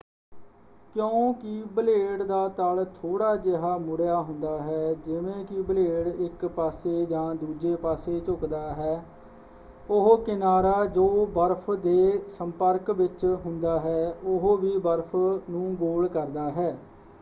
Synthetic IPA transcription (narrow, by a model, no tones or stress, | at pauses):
kjõːkɪbəleːɽd̪aːt̪alt̪ʰoːɽaːd͡ʒeɦaːmʊɽejaːɦʊ̃nd̪aːɦɛːd͡ʒɪʋẽːkɪbəleːɽɪkpaːseːd͡ʒãːd̪uːd͡ʒeːpaːseːt͡ʃʊkd̪aːɦɛː | ʊɦokɪnaːɾaːd͡ʒoːbəɾpʰd̪eːsəmpəɾkʋɪt͡ʃɦʊnd̪aːɦɛːʊɦoːʋiːbəɾpʰnũːɡoːlkəɾd̪aːɦɛː